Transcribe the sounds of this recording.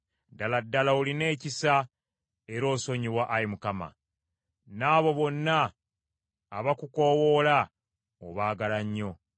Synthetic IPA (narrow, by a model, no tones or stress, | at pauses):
daladːalauline̞ːcisa | e̞ɾo̞ːso̞ɲiwaʔːjimukama̰ | naːβo̞βo̞nːa | βakuko̞ːwola | oβaːɡalaɲːo̞